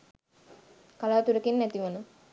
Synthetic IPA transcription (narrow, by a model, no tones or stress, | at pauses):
kalaːt̪uɾəkinːæt̪iʋunu